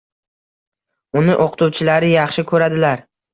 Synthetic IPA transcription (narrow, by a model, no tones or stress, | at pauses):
ʊnɪʔoqʰɨ̥t̪uwt͡ʃʰɪlaɾɪjɑχʃɪkʰɵɾad̪ɪlaɾ